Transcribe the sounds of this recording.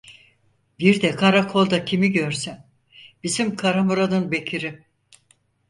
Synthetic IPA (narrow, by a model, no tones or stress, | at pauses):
biɾd̪ɛkʰaɾakʰo̞lˠd̪acʰimiɟøɾsin | b̥izimkʰaɾamuɾanɯnbe̞cʰiɾi